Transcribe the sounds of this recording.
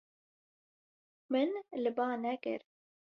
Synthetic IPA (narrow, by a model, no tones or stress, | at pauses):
mɨnlɨbɑːnɛkɨ̰ɾ